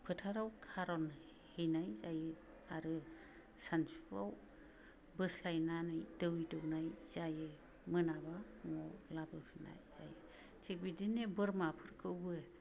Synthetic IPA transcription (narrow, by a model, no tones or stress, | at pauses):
pʰɯtʰaɾawkʰaɾɔn | hejnajzajɯ | aɾɯ | sansɾaw | bɯslajnanɯjdɯwidɔwnajz̥ajɯ | mɯnaba | ŋɔlabɯpʰina̰jz̥a̰jɯ | tʰik̚bidinebɯɾmapʰɯɾkʰɯwbɯe